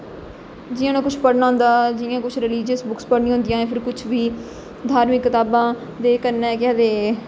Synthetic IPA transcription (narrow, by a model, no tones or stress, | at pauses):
d͡ʒɪjãːnãːkʊt͡ʃʰpəɽnaːɦʊ̃nd̪aːd͡ʒɪjãːkʊt͡ʃʰɾɪliːd͡ʒəsbʊkspəɽɳĩːɦʊ̃ːnd̪ijãːẽːpʰɪɾkʊt͡ʃʰʋiː | d̪ʱaːɾmɪkːət̪aːbãː | d̪eːkəɾnɛ̃ːkɪaːd̪eː